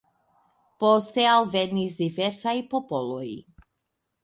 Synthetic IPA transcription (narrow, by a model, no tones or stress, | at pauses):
pɔst̪ɛalˠvɛd̪nizd̪ivɛɾsaipɔpɔlˠɔḭ